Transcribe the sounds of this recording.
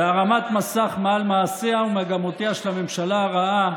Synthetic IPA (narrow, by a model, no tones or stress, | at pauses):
eaʁamat̪masaχmealmaːseaumeaɡamo̞t̪eaʃelame̞mʃalaaʁaa